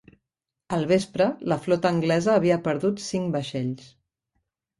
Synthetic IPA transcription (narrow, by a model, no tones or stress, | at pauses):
əlˠβespɾələflɔt̪əːŋɡlɛzəːβ̞iəpəɾðut̪siŋbəʃɛʎs